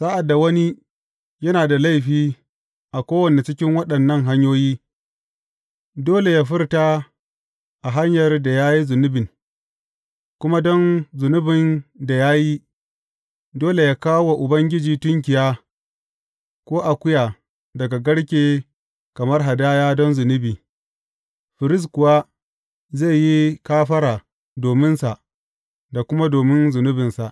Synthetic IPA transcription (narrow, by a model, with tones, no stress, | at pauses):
sa˦ʔa˨dːa˨wɐ˦ni˦ | jɐ˦naː˨da˨la˦jɸiː˦ | ʔa˨kʷoː˦wɐ˨ne˨t͡ʃɪ˦kʲɪ˦ŋwɐ˦ɗɐ˨nːɐ˦ŋɦa˦ɲjoː˦jiː˦ | doː˦le˨jaː˦ɸɪ˦rta˦ | ʔa˨ɦa˦ɲjɐ˨rda˨jaː˦ji˦zʊ˨nʊ˦bɪ˨n | kʷʊ˦ma˦dɔ˦nzʊ˨nʊ˦bɪ˨nda˨jaː˦ji˦ | doː˦le˨jaː˦kaː˦wo˨ʔʊ˨bɐ˦ŋɡʲɪ˦d͡ʒiː˨tʊ˦ŋk̬ʲɪ˨jaː˦ | kʷoː˦ʔa˨kʷʊ˦jaː˨ | dɐ˨ɡa˨ɡɐ˦ɽkʲeː˨ | kɐ˨mɐ˦rɦa˨daː˦jaː˦dɔ˦nzʊ˨nʊ˦biː˨ | ɸɪ˨ɾɪ˦s̬kʊ˨wa˦ | zeː˦˨ji˦kaː˦ɸɐ˦ɾaː˨ | doː˨mɪ˦nsa˨ʔ | da˨kʷʊ˦ma˦doː˨mɪ˦nzʊ˨nʊ˦bɪ˨nsa˨ʔ